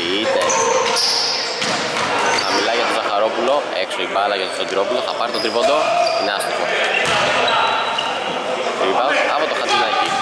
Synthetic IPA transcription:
id̪e | xɐmilɐʝɐt̪ozɐxɐɾo̞pulo̞ | eksoibɐlɐʝɐt̪ost̪oɟiɾo̞puloθɐpɐɾit̪ot̪ɾivond̪o̞ineɐst̪ikmo | vivɐɐpo̞t̪oxɐd̪inɐci

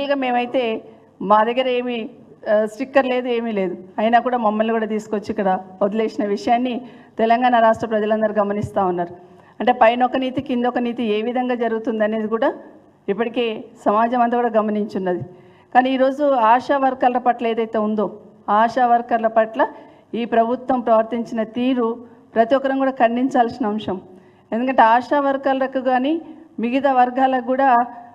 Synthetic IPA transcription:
iɡɐme̞ːmɐjit̪e̞ː | maːd̪ɐɡːɐɾɐe̞ːmi | sʈikːɐɾle̞ːd̪ue̞ːmiːle̞ːd̪uɐjnakuːɽaːmɐmːɐlnikuːɽaːt̪̬iːsu̥kʋot͡ʃːikːɐɽaod̪ɐle̞ːsinɐʋiʂɐjaːnːi | t̪ɛlɐŋɡaːnɐɾaːsʈɾɐpɾɐd͡ʒɐlɐnd̪ɐɾiɡɐmɐnist̪aːunːaːɾu | ɐɳʈe̞ːpɐjnɔkɐniːt̪ikind̪ɔkɐniːt̪ie̞ːʋid̪ʱɐŋɡaːd͡ʒɐɾuɡut̪und̪iɐne̞ːd̪ikuːɽaː | ipːɐʈike̞ːsɐmaːd͡ʒɐmɐnt̪ɐkuːɽaːɡɐmɐniɲt͡ʃunːɐd̪i | kaːniːiːɾo̞ːd͡ʒuaːʂaːʋɐɾkaːlɐlɐpɐʈlɐe̞ːd̪ɐjt̪e̞ːund̪o̞ː | aːʂaːʋɐɾkaːlɐpɐʈlɐ | iːpɾɐbʱut̪ʋɐmpɾɐʋɐɾt̪iɲt͡ʃinɐt̪iːɾupɾɐt̪ijɔkːɐɾɐŋkuːɽaːkʰɐɳɖiɲt͡ʃaːlsinɐɐmʂɐm | end̪ukɐɳʈe̞aːʂaːʋɐɾkaːlɐɾɐkuɡaːniːmiɡit̪̬ɐʋɐɾɡaːlɐkuːɽaː

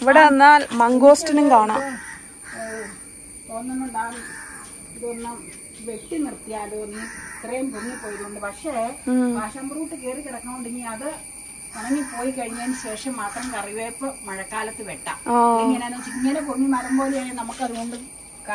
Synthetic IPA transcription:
iʋiɽeɐnːaːlmɐŋɡoːsʈɐniŋkaːɳɐ̰ | t̪o̞ːnːenːudaːn | kurɐnːɐ | ʋe̞ʈːinirt̪ijaːloːnit̪rejɐmpunːipːoːjɐɾuoɳɖɨpɐkʂebaːʂɐmbruːʈːɨkeːrikʲːiɽɐkːaŋːoɳɖiŋːiɐðɨ | ɐrɐŋːipːo̞ːjikɐɻiɲːaːnɨɕe̞ːʂɐmːaːt̪rɐmkɐriʋeːpːɨmɐɻɐkːaːlɐt̪ːɨʋeʈːa̰ːmaiŋːɐneːnoːt͡ɕːiiŋːɐnepumːimɐrɐmboːlejaːjanɐmukːɐðuɣoɳɖɨ | kɐ

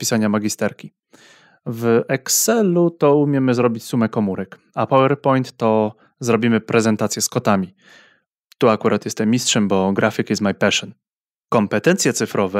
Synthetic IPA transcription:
pʲisaɲamaɡʲist̪ɛɾkʲi | vʔɛksɛlut̪ɔumʲjɛmɘzɾɔbʲit͡ɕsumɛkɔmuɾɛk | apɔwɛɾpɔjnt̪ːɔ | zɾɔbʲimɘpɾʔɛzɛnt̪at̪sʲjɛskɔt̪amʲi | t̪uakuɾʔat̪jɛst̪ɛmʲːistʂɛmbɔɡɾʔafʲikizmajpɛʂɔn | kɔmpɛt̪ɛnt̪sʲjɛt̪sɘfɾɔvɛ

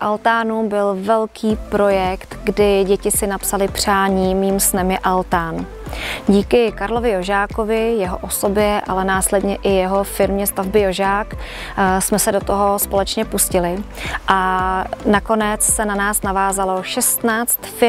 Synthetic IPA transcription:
ʔalt̪aːnubɪlvɛlkʰiːpɾo̞jɛkt̪ɡdɪɟɛcɪsɪnapsalɪpr̝̥aːɲiːmiːmsnɛmjɛʔalt̪aːn | ɟiːkɪkaɾlo̞vɪjoʒaːko̞vɪjɛɦoʔo̞so̞bjɛʔa̰lɛnaːslɛdɲɛʔɪjɛɦo̞fɪɾmɲɛst̪avbɪjo̞ʒaːk | smɛsɛdot̪oɦo̞spo̞lɛt͡ʃɲɛpuscɪlɪʔanako̞nɛt͡ssɛnanaːsnavaːzalo̞ʃɛst̪naːt͡st̪fɪ

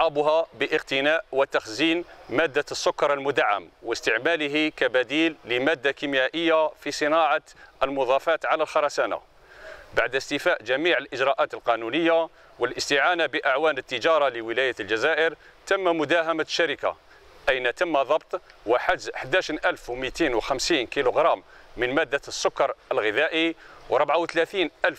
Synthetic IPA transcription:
ʕɑbʊɦæbəʔəqt̪ənæʔwət̪axzinmæd̪ːasːʊkːɑɾˤəlmʊd̪aʕːa̰mwəst̪əʕmæləɦikæbæd̪ilːəmæd̪ːakimjæʔəjːafisˤənɑʕɑʔəlmʊðˤɑfæt̪ʕalælxɑɾˤɑsæna̰ | baʕd̪əst̪ɪfæʔʒæmiʕəlʔəd͡ʒɾˤɑʔæt̪əlqɑnunəjːa | wəlʔəst̪ɪʕanabəʔaʕwænət̪ːəd͡ʒɑɾˤɑləwəlæjald͡ʒæzæʔəɾ | t̪əmːæmʊd̪æɦæmaʃːæɾəka̰ | ʔæjnæt̪əmːad̪ˤɑbt̪ˤwaħəd̪ħd̪æʃnʔælfwmit̪inwxæmsiːnkiluɣɾˤɑmːənmæd̪ːasːʊkːɑɾˤʔəlɣɪðæʔiwɾˤəbʕawt̪læθiːnʔælf

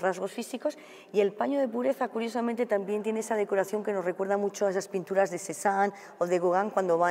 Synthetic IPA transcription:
razɣo̞sfisiko̞s | ie̞lpaɲo̞ðe̞puɾe̞θakuɾjo̞samẽnt̪e̞t̪ambjent̪je̞neesað̞e̞ko̞ɾaθjo̞ŋke̞norekwe̞ɾðamut͡ʃoaesaspint̪uɾazðe̞se̞san | oðe̞ɣoɣaŋkwand̪o̞βa

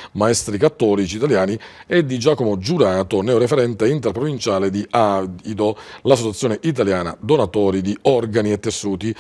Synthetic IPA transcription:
maɛst̪ɾikat̪ːɔːlit͡ʃiːt̪aljaːni | ɛd̪ːid͡ʒaːkomod͡ʒuɾaːt̪onɛːoɾefeɾɛnt̪eint̪erpɾovint͡ʃaːled̪iʔaid̪olasːot͡ʃat̪sːjoːneʔit̪̬aljaːna̰d̪onat̪ɔːɾid̪iɔrɡaniet̪ːesːuːt̪i

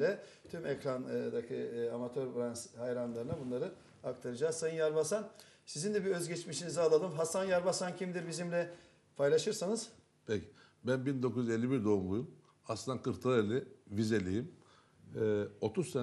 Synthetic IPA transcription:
lʲɛ | t̪ʰymɛcɾand̪akʰɯamat̪ʰøɾbɾanshajɾanlˠaɾɯnabunlˠaɾɯ | ak̚t̪ʰaɾɯd͡ʒaːzsajaɾbasansizind̪ɛbiø̞zɟɛt͡ʃmiʃinizalˠalˠɯmɦasanjaɾbasancʰimd̪iɾbizimlʲɛ | pʰajlˠaʃɯɾsanɯz̥ | pʰecʰi̥ | bænbind̪o̞kʰujyze̞lʲːibiɾd̪o̞umlˠujum | aslˠɯnd̪akʰɯɾt̪ʰɯelʲivizelʲijim | o̞t̪ʰusse

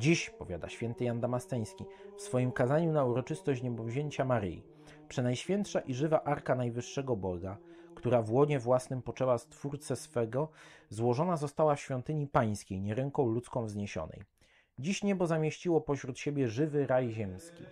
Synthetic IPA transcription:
d͡ʑiɕpɔvʲja̰d̪a̰ɕfʲjɛnt̪ɘjand̪amast̪ɛj̃skʲifsfɔjimkazaɲunauɾɔt͡ʂɘst̪ɔɕt͡ɕɲɛbɔvʑeɲt͡ɕamaɾɘ̰jḭ | pʂɛnajɕfʲjɛnt̪ʂaʔiʐɘvaʔaɾkanajvɘʂːɛɡɔbɔɡakt̪uɾavwɔɲɛvwasnɘmpɔt͡ʂɛwast̪fuɾt̪sɛsfɛɡɔzwɔʐɔnazɔst̪awafɕfʲjɔnt̪ɘɲipaj̃skʲejɲɛɾɛŋkɔ̃w̃lut̪skɔ̃w̃vzɲeɕɔ̰nɛ̰j | d͡ʑiɕɲɛbɔzamʲjeɕt͡ɕiwɔpɔɕɾut̪ɕebʲjɛʐɘvɘɾajʑɛmskʲḭ

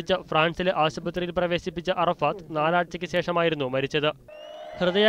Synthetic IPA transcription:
it͡ɕːɐfraːɳsileʔaːɕɐbɐt̪rijilprɐʋe̞ːɕipːit͡ɕːɐʔɐrɐfaːt̪naːlaːʈ̚t͡ɕːɐkʲːɨɕe̞ːʂɐmaːjiɾunːumɐɾit͡ɕːɐðɨ | hrɨðɐja

